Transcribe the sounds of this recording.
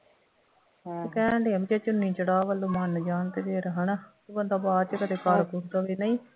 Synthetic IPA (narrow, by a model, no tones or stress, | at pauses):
tkɛ̃ːɖeːəmt͡ʃeːt͡ʃʊnːĩːt͡ʃəɽaːʋəlːõːmənd͡ʒaːnt̪eːd̪eːɾəɦənat̪uːbənd̪aːbaːd̪t͡ʃkəd̪eːkaɾkʊɾd̪aːʋiːnəĩː